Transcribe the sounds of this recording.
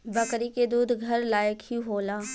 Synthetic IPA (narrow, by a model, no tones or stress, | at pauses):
bəkɾiked̪uːd̪ʱɡʱəɾlaːjəkhiɦoːlaː